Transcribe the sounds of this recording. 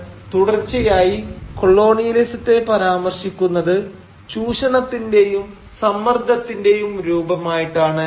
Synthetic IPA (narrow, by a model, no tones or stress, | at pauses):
t̪uɽɐrt͡ɕːijaːjiko̞ɭːo̞ːɳijlisɐt̪ːe̞pɐɾaːmɐrɕikʲːunːɐðɨ | t͡ɕuːɕɐɳɐt̪ːinde̞jum | sɐmːɐrd̪ʱɐt̪ːinde̞jumɾuːbɐmaːjiʈːaːɳɨ